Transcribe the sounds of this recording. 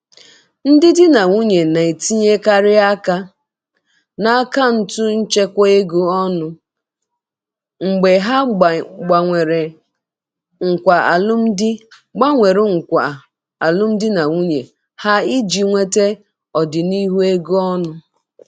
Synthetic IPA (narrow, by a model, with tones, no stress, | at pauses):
n̩˦dɪ˦dɪ˦na˨ŋu˦ɲe˨na˨e˨ti˦ɲe˦ka˦ɾɪ˦a˦ka˦ | na˦a˦ka˦n̩˦tu˦n̩˦t͡ʃe˦kʷɔ˦e˦ɡu˦ɔ˦nʊ˦ | ŋ͡m̩˨ɡ͡be˨ɦa˦˨ɡ͡ba˨ŋʷe˨ɾe˨ | ŋ̩˨kʷa˨a̰˨lʊ˦m̩˦dɪ˦ | ɡ͡ba˦ŋʷe˨ɾu˨ŋ̩˨kʷa̰˨ | a˨lʊ˦m̩˦dɪ˦na˨ŋu˦ɲe˨ | ha˦i˦d͡ʒi˨ŋʷe˦te˦ | ɔ˨dɪ˨ni˦ɦu˦e˦ɡu˦ɔ˦nʊ˦